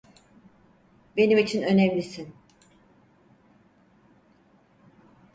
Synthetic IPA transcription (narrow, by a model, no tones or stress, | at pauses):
be̞nimit͡ʃʰinø̞nemlʲisin